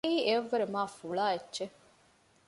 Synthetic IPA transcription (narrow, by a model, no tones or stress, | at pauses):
iːeɐʋːɐɾemaːfuɭaːetːʒe